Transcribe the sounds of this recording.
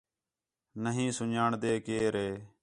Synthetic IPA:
nəɦĩːsʊɲaːɳd̪eːkeːɾeː

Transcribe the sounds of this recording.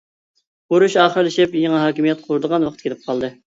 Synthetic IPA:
boɾuʃɑːχəɾlˠɪʃɪpjeŋɨɦɑːkʲimijɛt̪̚qʰʊɾɨd̪əʁɑnwɑqʰət̪̚kʲelɪp̚qʰɑlˠd̪ɨ

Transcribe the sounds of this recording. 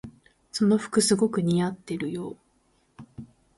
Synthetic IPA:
so̞no̞ɸɯ̟̥kɯ̟sɨɡo̞kɯ̟ɲ̟iat̪ːeɾɯ̟jo̞ː

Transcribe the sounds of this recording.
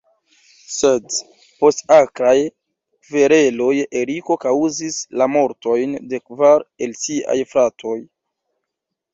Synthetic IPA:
se̞d | po̞stakɾaj | ve̞ɾe̞lo̞je̞ɾiko̞kawzislamo̞ɾto̞jnde̞kvaɾe̞lsiʔa̰jfɾatʰo̞j

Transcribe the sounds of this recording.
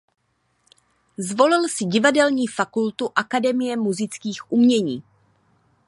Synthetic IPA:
zvo̞lɪlsɪɟɪvadɛlɲiːfakult̪uʔakadɛmɪjɛmuzɪt͡skiːxʔumɲɛɲiː

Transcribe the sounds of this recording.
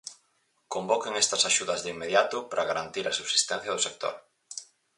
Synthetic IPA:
kombokeŋɛst̪ɐsaʃuðɐzðimeðjat̪ʊpɾʔaɣaɾant̪iɾɐsuβsi̥st̪ɛn̟θjɐð̞ʊsek̚t̪o̰ɾ

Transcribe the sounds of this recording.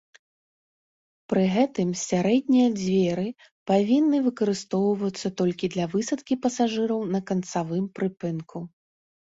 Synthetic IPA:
pɾɨɣɛt̪ɨmsʲaɾɛd̪ʲnʲijɐd͡zʲvʲɛɾɨ | pavʲinːɨvɨkɐɾɨst̪ɔwvɐt̪sːɐt̪ɔlʲkʲid̪lʲɐvɨsɐt̪kʲipɐsaʐɨɾɐwnɐkɐnt̪savɨmpɾɨpɨnkʰu

